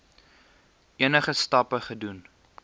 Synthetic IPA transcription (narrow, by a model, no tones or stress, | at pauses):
iənəχəstɐpəχədun